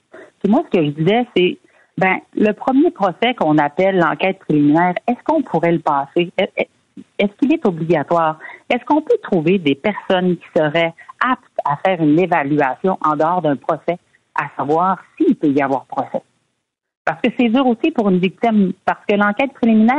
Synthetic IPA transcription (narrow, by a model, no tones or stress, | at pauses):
imwasə̥kəʒəd̪izɛse | bɛ̃ləpχəmjepχɔsɛkɔ̃napɛlːɑ̰̃kʲɛːt̪̚pχeliminɛːʁɛskɔ̃pʰuʁɛləpaːseɛ | ɛskʲilɛt̪obliɡʲat̪waːʁɛskɔ̃pøt̪χuved̪epɛʁsɔnkʲi̥səʁɛap̚t̪afɛːʁynevalyasjɔ̃ʔɑ̃d̪əɔːʁd̪œ̃pχɔsɛ | a̰savwaːʁsiːlpøijavwaːʁpχɔsɛ | paʁsə̥kəsɛd͡z̪yːʁosipuʁynvik̚t̪ɪmpaʁ̥sə̥kəlɑ̃kʲɛːt̪̚pχeliminɛː